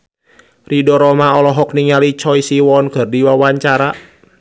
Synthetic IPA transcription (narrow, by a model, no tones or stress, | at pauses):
ridɔɾɔmaɔlɔɦɔk̚niŋalit͡ʃɔjsiwɔnɡ̥ə̤rdiwawaɲt͡ʃaɾa